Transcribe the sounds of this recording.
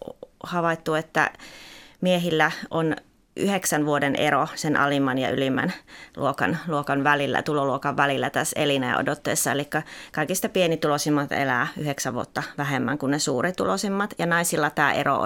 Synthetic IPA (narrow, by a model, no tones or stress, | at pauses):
hɑʋɑit̪ːuet̪ːæ̰ | mieɦilːæʔon | ʔy̰heksænʋuodenʔḛɾosenʔɑ̰limːɑnjɑ̰ylimːæ̰nlṵokɑ̰nluokɑnʋælilːæ̰t̪uloluokɑʋʋælilːæt̪æsḛlinḛːo̰dot̪ːeːsːɑḛlikːækɑikist̪ɑpienit̪ulosimːɑt̪ḛlæːyheksæʋʋuot̪ːɑʋæɦemːæŋkunnesuːrit̪ulosimːɑt̪jɑnɑisilːɑt̪æːʔḛro̰